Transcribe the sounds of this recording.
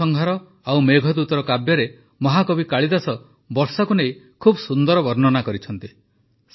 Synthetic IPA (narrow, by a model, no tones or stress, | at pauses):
ɔŋɡʱaɾɔ | awmeɡʱɔd̪ut̪ɔɾɔkabjɔɾe | mɔɦakɔbikaɭid̪asɔ | bɔɾsakunej | kʰubɔsund̪ɔɾɔbɔɾnɔnakɔɾit͡ʃʰɔnt̪i | s